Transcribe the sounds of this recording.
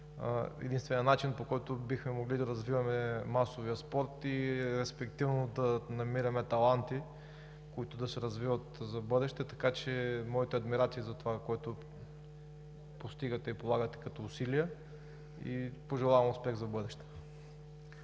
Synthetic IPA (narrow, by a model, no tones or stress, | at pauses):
ɛ̰d̪inst̪vɛnʲiənat͡ʃinpokɔjt̪ʊbixmɛmoɡlid̪ɐɾɐzvivɐmɛmasoviɐspɔɾt̪iɾɛspɛkt̪ivnod̪ɐnɐmiɾɐmɛt̪ɐlˠant̪i | koit̪ʊd̪ɐsɛɾɐzvivət̪zɐbɤd̪ɛʃt̪ɛt̪ɐ̥kat͡ʃɛmɔit̪ɛɐd̪miɾat̪siːzɐt̪ovakɔjt̪ʊ | post̪iɡɐt̪ɛipolˠaɡət̪ɛ̥kɐt̪ɔːsiliə | ḭpoʒɛlˠavɐmʊspɛɣzɐbɤd̪ɛʃt̪ɛ̥